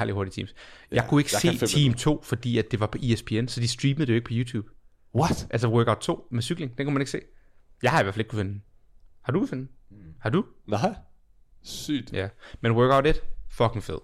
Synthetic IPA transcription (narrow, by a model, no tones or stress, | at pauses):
æ̰ɐ̰ld̥iho̝ɐdit͡sʰḭːmsjɑ̈ɪkʰue̝ɡ̥se̝̰ːt͡sʰiːmt͡sʰo̝̰ːfɒ̽d̥ḭːæd̥e̝ʋɑ̈pʰɒ̽ʔiespʰe̝ːensɒ̽d̥isd̥ʁiːməð̩ˠjoeɡəpʰɒ̽juːt͡sʰjṵːb̥ | ʔælsɐwɜːɡ̥aʊd̥̚t͡sʰo̝̰ːmesyɡ̥le̝ŋd̥enkʰumæne̝ɡ̥se̝̰ːjɑ̈hɑ̈iʋæɐfle̝ɡ̥ku̥fe̝n | hɑ̈d̥ukʰufe̝n̩hɑ̈d̥un | y̥jæmenwɜːɡ̥aʊɾed̥fɒ̽kʰeŋfeð̰ˠ